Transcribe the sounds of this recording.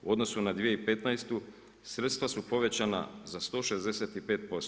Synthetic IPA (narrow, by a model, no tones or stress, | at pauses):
uo̞d̪no̞sunad̪ʋijeipe̞t̪najst̪u | sɾet̪st̪ʋasupo̞ʋe̞t͡ɕana̰zast̪o̞ːʃe̞zd̪eset̪ipeːt̪̚po̞st̪